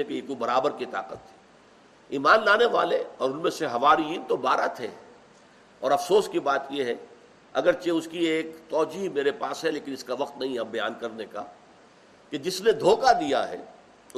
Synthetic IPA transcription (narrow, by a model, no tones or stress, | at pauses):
ekekubɐɾaːbəɾkit̪a̰ːqət̪ɦɛ | iːmaːnlaːneʋa̰ːleɔːɾʊnmẽseɦɐʋaːɾiint̪obaːɾat̪ʰḛ | ɔːɾɐfsoːskibaːt̪jeɦɛ | ɐ̰ɡəɾt͡ʃeʊskieːkt̪ɔːd͡ʒiːɦmeːɾepaːsɦɛleːkɪ̃nɪskaʋɐqt̪nɐɦĩɐbɐja̰ːnkɐɾneka̰ | ked͡ʒɪsned̪ʱoːkad̪ija̰ɦɛ̰ː | ʊ